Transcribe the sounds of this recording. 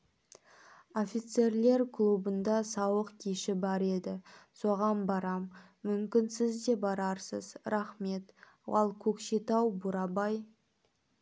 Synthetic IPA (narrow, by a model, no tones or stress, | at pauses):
o̞fʲit̪se̞ɾle̞ɾkʰlˠubənd̪ɑsɑwəqkʲʰeʃɪbɑɾe̞d̪ɪso̞ʁɑnbɑɾɑmː | ʏmkʲɪnsɪzd̪e̞bɑɾɑɾsəzɾɑχme̞t̪ | ɑ̰lˠkʲʰɵkʃet̪ɑwbʊɾɑbɑj